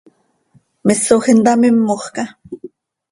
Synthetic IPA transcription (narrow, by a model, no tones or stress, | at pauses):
mɪsoxɪnt̪amɪmːoχka